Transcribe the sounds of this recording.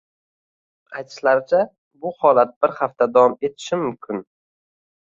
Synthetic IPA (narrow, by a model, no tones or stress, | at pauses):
ajt̪ʰɪ̥ʃlaɾɪt͡ʃʰa | bʊhɒlat̪̚b̥ɪɾhaft̪ad̪avɒme̞t̪ʰɪ̥ʃɪmʊmkʲʰʊn